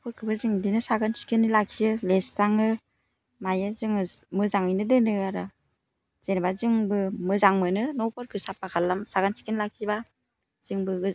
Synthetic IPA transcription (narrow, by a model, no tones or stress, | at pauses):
pʰɔɾkʰɯbɯzɯŋdinɯsaɡansi̥kʰɯnilakʰijɯlesːaŋɯ | majazɯŋɯmɯzaŋɯjnɯdɯnɯaɾa | z̥enbazɯŋbɯmɯzaŋmɯnɯnɔwpʰɔɾkʰɯsapːakʰalːamsaɡansi̥kʰinilakʰiba | z̥ɯŋbɯɡɯ